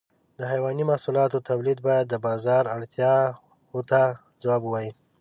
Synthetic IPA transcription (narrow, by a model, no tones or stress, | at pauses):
d̪əɦajwɑnimahsulɑt̪ot̪ʰawlid̪̚bɑjad̪ːəbɑzɑɾaɽt̪jɑ | ot̪a | zawɑbuwɑji